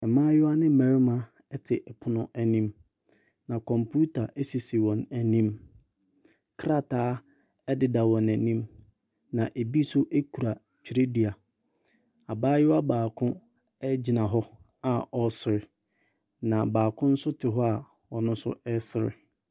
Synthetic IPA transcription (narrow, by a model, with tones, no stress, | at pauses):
ɛ˨mãː˦jɪ˦a˦nɪ̃˦m̩˦mæ̃˨ɾi˦mã˦ | ɛ˦tʰɪ˨ʔɛ˨pʰʊ˨˦nʊ̃˦ʔæ˨nĩ˦m | nã˨kʰɔ̃˨mpʰu˦tʰa˨ʔe˦si˨si˨wɔ̃˨næ˨nĩ˦m | kʰɾa˦tʰaː˦ | ɛ˦dɪ˨da˨wɔ̃˨næ˨nĩ˦m | nã˨ʔe˨bi˦sʊ˦ʔe˦kʰu˨ɾa˨ | t͡ɕʰᶣi˨ɾe˦di˨a˨ | a˨baː˦jɪ˦a˦baː˨kʰʊ̃˦ | ɛ˦d͡ʑi˨nã˨ɦɔ˦ | a˨ɔ˨sɪ˨ɾɪ˨ | nã˨baː˨kʰʊ̃˦n̩˦sʊ˦tʰɪ˨ɦɔ˦a˨ | wɔ˨nʊ̃˦sʊ̰˦ɛ˦sɪ˨ɾɪ̰˨